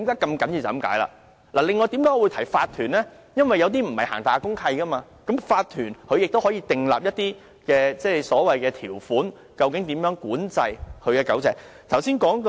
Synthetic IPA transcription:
i˨˥mkaː˨˥kɐ˧mkɐ˨˥nji˧wt͡sɐ˨˩˥mka̰ː˨˥jla̰˨ | laː˨˩lɪ˨ŋːɔː˨jt̪iː˨˥mk̪aː˨˥˧wu˨˧jt̪ʰɐ˨˩jfaː˧t̪ʰːyː˨˩nlɛː˥ | jɐ˥nwɐ˨jːɐ˨˧wt̪̬iː˥m̩˨˩hɐ˨jha̰ː˨˩ŋt̪aː˨˧kʊ˥ŋkʰɐ˧jkɐ˥maː˧ | kɐ˨˥mfaː˧t̪ʰyː˨˩nkʰɵ˧ɥjɪ˨k̚t̪o˥whɔː˨˥jiː˧t̪ɪ˨ŋla̰ː˨p̚jɐ˥t̚t̪iː˥ | kɛː˧t͡sɛː˥˧sɔː˨˥wɐ˨jkɛː˧t̪ʰiː˨˩wfuː˨˥n | kɐ˧wkɪ˨˥ŋt̪iː˨˥mjœː˨˥ŋkuː˨˥nt͡sɐ˧jhʰɵ˨˧ɥkɛː˧kɐ˨˥wt͡sɛː˨˧˩k̚t̪ʰɐ˨˩wsiː˥nkɔː˨˥ŋ

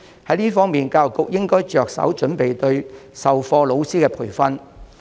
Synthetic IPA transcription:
hɐ˨˥jliː˥fɔː˥ŋmiː˨nkaː˧wkʊ˨k̚jɪ˥ŋkɔː˥jt͡ʃœː˨k̚sɐ̰˨˥wt͡ʃɵ˨˥npe˨jt̪ɵ˧ɥsɐ˨wfɔː˧lo˨˧wsiː˥kɛː˧pʰuː˨˩jfɐ˥n

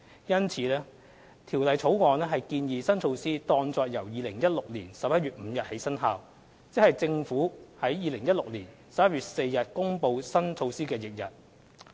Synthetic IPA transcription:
jɐ˥nt͡sʰiː˨˥lɛː˥ | t̪ʰiː˨˩wlɐ˨jt͡sʰo˨˥wŋɔː˨˧nlɛː˥ɦɐ˨jkiː˧njiː˨sɐ˥nt͡sʰo˧wsiː˥t̪ɔː˧ŋt͡sɔː˧k̚jɐ˨˩wjiː˨lɪ˨˩ŋjɐ˥t̚lʊ˨k̚liː˨˩nsɐ˨p̚jɐ˥t̚ɥyː˨t̚m̩˨˧jɐ˨t̚he˨˥jsɐ˥nɦaː˨˧w | t͡sɪ˨˥k̚hɐ˨jt͡sɪ˧ŋfuː˨˥hɐ˨˥jjiː˨lɪ˨˩ŋjɐ˥lʊ˨k̚liː˨˩n | sɐ˨p̚jɐ˥t̚ɥyː˨t̚se˧jːɐ˨t̚kʊ˥ŋpo˧wsɐ˥nt͡sʰo˧wsiː˥kɛː˧jɪ˨k̚jɐ˨t̚

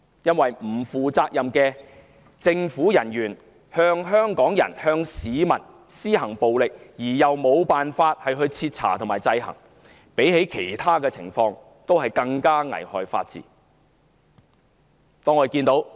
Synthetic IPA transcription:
jɐ˥nwɐ˨jm̩˨˩fuː˨t͡saː˧k̚jɐ˨mkɛː˧ | t͡sɪ˧ŋfuː˨˥jɐ˨˩njyː˨˩n | hœː˧˥ŋɦœː˥ŋkɔː˨˥ŋjɐ̰˨˩nhœː˧ŋsiː˨˧mɐ̰˨˩n | siː˥ɦɐ˨˩ŋpo˨wlɪ˨k̚jiː˨˩jɐ˨˩wmo˨˧wpaː˨nfaː˧t̚hɐ˨jɦɵ˧ɥt͡sʰiː˧t̚t͡sʰa̰ː˨˩t̪ʰo˨˩maː˨˩jt͡sɐ˧jɦɐ̰˨˩ŋ | pe˨˥jɦe˨˥jkʰe˨˩jt̪ʰaː˥kɛː˧t͡sʰɪ̰˨˩ŋfɔː˧ŋ | t̪o˥wɦɐ˨jkɐ˧ŋkaː˥ŋɐ̰˨˩jhɔː˨jfa̰ː˧t̚t͡sḭː˨˩ | t̪ɔː˥ŋɔː˨˧˨kiː˧nt̪o˨˥w

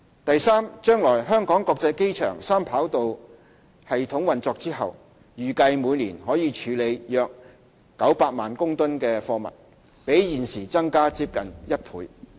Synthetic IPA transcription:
t̪ɐ˨jsaː˥mt͡ʃœː˥ŋlɔː˨˩jɦœː˥ŋkɔː˨˥ŋkɔː˧k̚t͡sɐ˧jke˥jt͡ʃʰœ̰ː˨˩ŋsaː˥mpʰaː˨˥wt̪o˨w | hɐ˨jt̪ʰʊ˨˥ŋwɐ˨nt͡sɔː˧k̚t͡siː˥ɦɐ˨w | jyː˨˩kɐ˧jmuː˨˧jliː˨˩nhɔː˨˥jiː˨˧t͡ʃʰyː˨˥le˨˧jjœː˧k̚ː | ɐ˨˥wpaː˧t̚maː˨nkʊ˥ŋt̪ʊ˥nkɛː˧fɔː˧mɐ̰˨˩t̚ | pe˨˥jjiː˨˩nsiː˨˩t͡sɐ˥ŋkaː˥t͡siː˧p̚kɐ˨˩njɐ˥t̚pʰṵː˨˧j

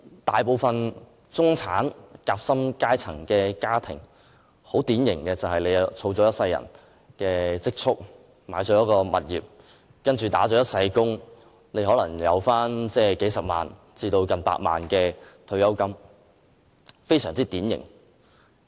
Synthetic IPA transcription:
t̪aː˨˩jpo˨˧wfɐ˨n | t͡sʊ˥ŋt͡sʰa̰ː˨˥nkaː˧p̚sɐ˥mkaː˥jt͡sʰɐ˨˩ŋkɛː˧kaː˥t̪ʰɪ̰˨˩ŋ | ho˨˥wt̪iː˨˥njɪ˨˩ŋkɛː˧t͡sɐ˨whɐ˨jle˨˧jt͡sʰo˧wt͡sɔː˨˥jɐ˥t̚sɐ˧jɐ̰˨˩n | kɛː˧t͡sɪ˥k̚t͡sʰʊ˥k̚ | maː˨˧jt͡ʃɔː˨˥jɐ˥kɔː˧mɐ̰˨˩t̚jiː˨p̚ | kɐ˥nt͡ʃyː˨t̪a̰ː˨˥t͡ʃɔː˨˥jɐ˥t̚sɐ˧jkʊ˥ŋ | ne˨˧jɦɔː˨˥lɐ˨˩ŋjɐ̰˨˧wfaː˥nt͡sɛː˥˩ke˨˥jsɐ˨p̚ma̰ː˨n | t͡siː˧t̪o˧wkɐ˨npa̰ː˧t̚ma̰ː˨nkɛː˧t̪ʰɵ˧ɥjɐ˥wkɐ˥m | fe˥jsœː˨˩ŋt͡siː˥t̪iː˨˥njɪ̰˨˩ŋ

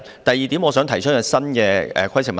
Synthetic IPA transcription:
t̪ɐ˨jːiː˨t̪iː˨˥mɔː˨˧sœː˨˥ŋt̪ʰɐ˨˩jt͡ʃʰɵ˥kɛ˧˩sɐ˥nkɛː˧ɛ̰ː˨˧kʰɐ˥jsʰɪ˨˩ŋ̚mɐ˨

